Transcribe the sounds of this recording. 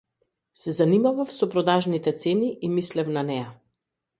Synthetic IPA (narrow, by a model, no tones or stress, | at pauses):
sɛzanimavafsɔpɾɔd̪aʒnit̪ɛt̪sɛniʔimislɛfnanɛja